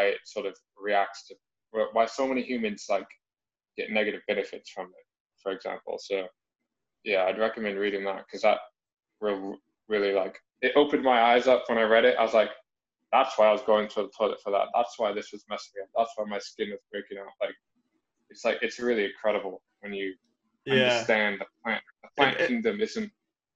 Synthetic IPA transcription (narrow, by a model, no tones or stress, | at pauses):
aɪɪtsɔɹɾʌv | ɹiæk̚tstʰɨ | wəwaɪsoʊmɛnihjʉmɨ̃nz̥laɪk | ɡ̥ɛ̰tⁿnɛɡɨɾɨvbɛnɨfɨtsfɹʌ̃mɪ̰t̚ | fə˞ɨɡzæ̰̃mpl̩ˠsoʊ | jæaɪd̚ɹɛkɨmɛ̃nd̚ɹiɾɪ̃ŋðə̰t̚kʰʌzðət̚ | ɹɪlˠ | ɹɪlˠilaɪk | ɨɾʔoʊpɨ̃n̚maɪaɪzʌpʰwə̃ɾ̃aɪɹɛɾɪt̚ʔa̰ɪwʌzlaɪk | ðætswaɪaɪwʌzɡoʊɪ̃ŋθɹʉðəpʰɔlˠɨ̰tfə˞ðæ̰t̪̚ðæ̰tswaɪðɪswʌzmɛsɨʌ̃ðætswaɪmaɪskɪ̃nwʌzbɹeɪkɪ̃ŋaʊʔ̚laɪk̚ | ɨtslaɪkɨtsɹɪlˠiɨ̃kʰɹ̥ɛɾɨbl̩ˠ | wɨ̃njɨ | ʌ̃ə˞stæ̃nðɨpʰl̥æ̃n | əpʰl̥æ̃nkʰɪ̃ŋdɨ̃mɪzɨ̃nt̚